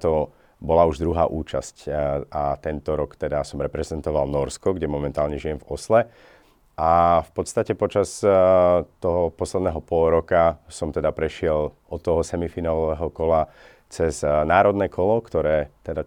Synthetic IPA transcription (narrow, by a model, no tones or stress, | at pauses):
t̪ɔ | bɔlauʒd̪ɾuɦa̰ːʔuːt͡ʃascat̪ɛnt̪ɔɾɔkt̪ɛd̪asɔmɾɛpɾɛzɛnt̪ɔʋalnɔɾskɔɡɟɛmɔmɛnt̪aːlɲɛʒijɛmvɔslɛ | ʔafpɔt̪st̪acɛpɔt͡ʃas | t̪ɔɦɔpɔslɛd̪nɛɦɔpɔlɾɔkasɔmt̪ɛd̪apɾɛʃɪɛlʔɔt̪ːɔɦɔsɛmifiːnalɔʋɛːɦɔkɔla | t͡sɛznaːɾɔd̪nɛːkʰɔlɔkt̪ɔɾɛːt̪ɛd̪a